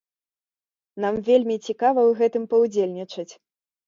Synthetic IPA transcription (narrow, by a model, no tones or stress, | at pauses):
namvʲelʲmʲit͡sʲikavɐwɣɛt̪ɨmpɐwd͡zʲelʲnʲit͡ʂɐt͡sʲ